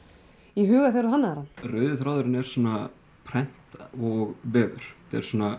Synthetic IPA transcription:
iɦʏːɣaθɛɾʏɦanːaɾarœːɥðʏθɾaːwðʏɾɪnɛɾ̥sɔːnːa | pʰɾɛn̥t̪ɔɣvɛːvʏɾ̥t̪ɛ̰ɾ̥sɔːna

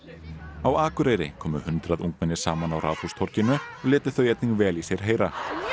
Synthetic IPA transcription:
awaːkʏɾejɾɪ̰kʰɔːmʏ̰hʏnt̪ɾaðuŋkmɛnːɪsaːmanawɾʔa̰ːwθhust̪ʰɔɾ̥cɪnʏɔɣlɪːt̪ʏθœːɥɛt̪niŋkvɛːlisjɛɾ̥ɦeːjɾa

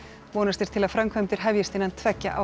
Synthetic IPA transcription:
vɔːnast̪ɪɾt̪ʰɪlaðfɾamkʰvœmt̪ɪɾ̥ɦɛvjɪst̪ɪnːant̪ʰvɛcːa̰ʔa̰

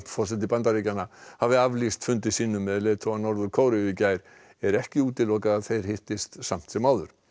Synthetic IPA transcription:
pfɔ̥sɛt̪̬ɪpant̪aɾicanːahavɪavlist̪fʏnt̪ɪsiːnʏmːɛðleːt̪ʰowanɔɾðʏkʰowɾɪɪcaːjɾ̥ | ɛɾɛhcɪuːt̪ɪlɔkaðaðθejɾ̥hɪht̪ɪst̪sam̥t̪sɛmaːwðʏɾ̥

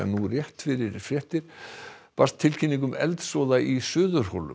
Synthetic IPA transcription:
a̰nurjɛht̪fɪɾɪɾfɾjɛht̪ɪɾ̥ | past̪ʰːɪlcʰiniŋk̬ʏmɛ̰lt̪sɔwðaʔisʏːðʏɾ̥howlːʏ̰

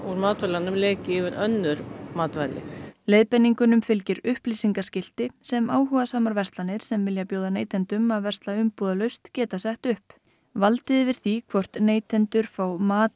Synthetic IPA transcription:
uɾmaːt̪vajlanːʏmlɛːcɪɪvɪɾœnːʏɾmaːt̪vajlɪ̰leːjðpɛnːiŋkʏnʏmfɪlcɪɾʏhpliːsiŋkascɪl̥t̪ɪsɛmaːwɦuɣasaːmaɾvɛst̪lanːɪɾ̥sɛmvɪljapjoːwðaneːjt̪ʰɛnt̪ʏmaðvɛr̥t̪laʏmpuːðalœɥst̪cɛːt̪asɛht̪ʏhp | valt̪ɪðɪvɪɾ̥θikʰvɔr̥t̪neːjt̪ʰɛnt̪ʏɾ̥fawmaːt̪

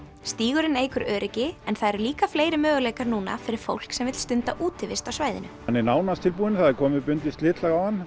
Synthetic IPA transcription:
st̪iːɣʏɾɪneːjkʰʏɾœːɾɪcɪɛnθaðɛɾliːkafleːjɾɪmœːɣʏleːjkaɾnuːna̰fɪɾɪɾ̥fo̰wl̥ksɛmvɪt̪st̪ʏnt̪aʔuːt̪ɪvɪst̪awsvaːjðɪ̰nʏ | anːɪnaːwnast̪ʰɪlpuːðɪnθaðɛɾkʰɔːmɪpʏnt̪ɪst̪lɪːt̪laɣawhanː

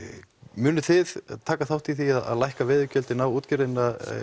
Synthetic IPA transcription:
mʏːnʏθɪða̰ðt̪ʰaːkaθawht̪iθiaða̰ðlajhkavɛːðʏcœlt̪ɪnawuːt̪cɪɾðɪnːa

